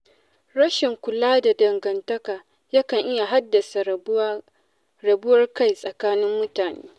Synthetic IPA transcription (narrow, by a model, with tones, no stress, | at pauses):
ɽɐ˦ʃɪ˨ŋkʷʊ˨laː˦da˨dɐ˨ŋɡɐ˨ntɐ˦kaː˨ | jɐ˦kɐ˨ŋʔɪ˦ja˨ɦa˦dːɐ˨sa˨ | ɾɐ˨bʊ˦wɐ˦rka˦jsʼɐ˨kaː˦nɪ˦mːʊ˦taː˨nḛː˦